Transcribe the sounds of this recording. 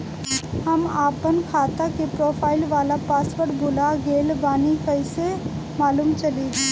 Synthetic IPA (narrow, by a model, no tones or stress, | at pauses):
hɐmaːpənkʰaːt̪akepɾoːpʰaːɪlʋaːlapaːsʋəɽbʱʊlaɡeːlbaːnikəɪse | maːluːmt͡ʃɐlidi